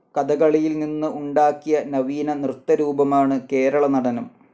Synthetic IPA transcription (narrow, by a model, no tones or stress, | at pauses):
kɐd̪ɐɣɐɭijilninːɨʔuɳɖaːkːijɐnɐʋiːnɐnrɨt̪ːɐɾuːbɐmaːɳɨke̞ːɾɐɭɐnɐɽɐnɐm